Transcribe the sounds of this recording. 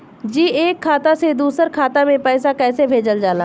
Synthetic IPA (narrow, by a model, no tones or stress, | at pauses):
d͡ʒiːeːkʰːaːt̪ased̪uːsəɾkʰaːt̪amẽpɛːsakɛːsebʱeːd͡ʒəld͡ʒaːlaː